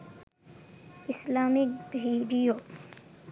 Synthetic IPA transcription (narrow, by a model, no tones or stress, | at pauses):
ɪslaːmik̚biːɖijoː